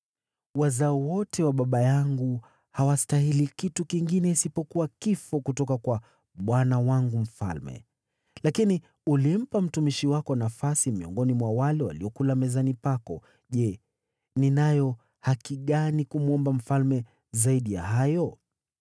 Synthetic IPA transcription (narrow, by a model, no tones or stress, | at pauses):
wazaɔwɔtʰɛwaɓaɓajaŋɡu | hawastaɦilikitukiŋɡinɛisipɔkuwakifɔkutɔkakwa | ɓwanawaŋɡum̩fa̰lmɛ̰ | lakini | ulim̩pam̩tumiʃiwakɔnafasimiɔ̰ŋɡɔnimwawalɛwa̰liɔkulamɛzanipakɔ | ʄɛ | ninajɔ | hakiɠanikumuɔmbam̩falmɛ | zaiɗija̰ɦajɔ